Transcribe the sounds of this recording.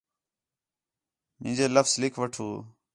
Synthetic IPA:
mɪ̃ːd͡ʒeːləfslɪkʰʋəʈʰuː

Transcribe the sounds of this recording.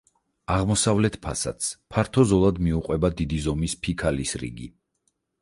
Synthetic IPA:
aʁmɔsavlɛt̪ʰpʰasa̰t̪spʰaɾt̪ʰɔzɔlˠad̪miuqʼwɛbad̪id̪izɔmispʰikʰalisɾḭɡi

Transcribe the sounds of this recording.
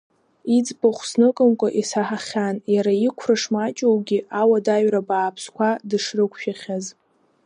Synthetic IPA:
id͡zboχʷsnɨkʼɨmkʷʼaʔisaħaχʲanjaɾaikʷʰrɨʂmat͡ʃʼowɡʲiawadaɥrabaːpʰskʷʰadɨʂrɨkʷʰʃᶣaχʲaz

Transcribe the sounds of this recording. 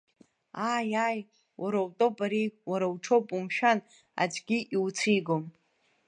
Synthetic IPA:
ajaj | wʔaɾawtʼopʼaɾiwaɾawʈ͡ʂʰopʼumʃᶣan | a̰d͡ʒʼɡʲiʔiwt͡sʰiɡom

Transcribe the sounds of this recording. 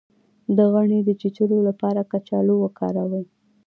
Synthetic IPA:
d̪əɣaɳed̪ət͡ʃit͡ʃəɾolapɑɾakat͡ʃɑlowəkɑ̰ɾawə

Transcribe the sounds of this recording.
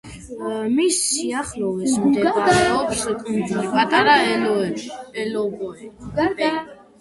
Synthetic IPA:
misiaχlɔvɛsmd̪ɛaaɔpskʼund̪ulipʼat̪ʼaɾaɛlɔɛɛlɔbɔɛ

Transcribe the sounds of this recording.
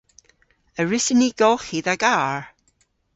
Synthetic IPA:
əɹɪsəniɡ̥ɔlˠχiːðaɡaːɹ

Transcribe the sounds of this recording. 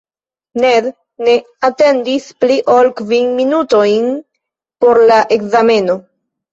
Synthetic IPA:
ned̪ | ne̞ | ate̞ndispliʔolkvinminutojn | po̞ɾlaʔekzame̞no̞

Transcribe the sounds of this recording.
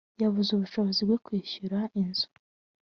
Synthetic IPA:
jaβuzuβuʃo̞βozibɡe̞kwiːçuɾaʔinzu̥

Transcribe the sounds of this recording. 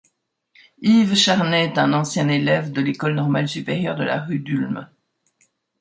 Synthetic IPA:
ivʃaʁnɛːt̪ɛ̃nɑ̃sjɛ̃nelɛvd̪əlekɔlnɔʁmalsypeʁjœʁd̪əla̰ʁyd̪ylm

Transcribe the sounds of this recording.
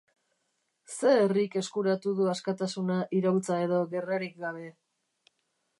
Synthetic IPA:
se̞ːrike̞skuɾat̪uðuaskat̪asunaʔiɾawlt͡sae̞ðo̞ɣe̞raɾik̚ɡaβe̞

